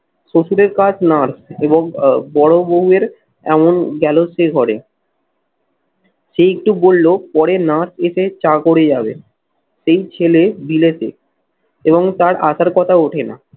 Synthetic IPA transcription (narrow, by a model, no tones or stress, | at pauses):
ʃoʃuɾeɾkad͡ʑʰnaɾseβoŋbɔɽoboɦueɾ | ɛmonɡɛloʃeɡʱɔɽe | ʃeek̚ʈubolːopɔɽenaɾseʃet͡ɕakoɽed͡ʑabḛ | ʃejt͡ɕʰelebilet̪ḛ | eβoŋt̪aɾaʃaɾkɔt̪ʰaoʈʰena̰